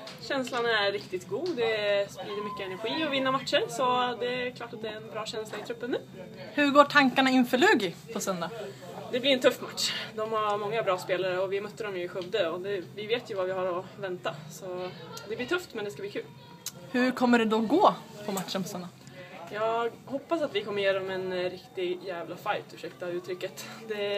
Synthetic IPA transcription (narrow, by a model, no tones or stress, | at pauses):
ɕɛnslanæɾːɪkt̪ɪt̪ɡuːd̪ɛspɾiːd̪əɾmʏkːəɛnæɾɧiːɔvɪnːamat̪ʂəɾsɔd̪ɛæɾkʰlɑːʈat̪̚d̪ɛæɾɛnbɾɑːɕɛnslaɪt̪ʰɾɵpːənːʉː | hɵɾɡoːʈʰaŋkaɳaɪnfœɭʉːɡɪpʰɔsœnd̪a | d̪ɛblɪɾɛnt̪ʰɵfːmat̪ʂd̪ɔmhaɾmɔŋːabɾɑːspeːlaɾəɔvɪmœt̪ːəɖɔmjɵɪɧɵvd̪əɔd̪ɛvɪveːt̪jɵvavɪhaɾɔvɛnt̪asɔd̪ɛblɪːʈʰɵft̪mɛnd̪ɛskabliːkʰʉ̟ːl | hɵ̟ɾkʰɔmːəɖɛd̪ɔɡoːpʰɔmat̪ʂənpʰɔsœnd̪a | jɑːɡhɔpːasat̪vɪkʰɔmːəjeːd̪ɔmɛnɾɪkt̪ɪɡjæːvlafajt̪ʰʉʂɛkt̪avʉ̟ːt̪ʰɾʏkːət̪d̪ɛ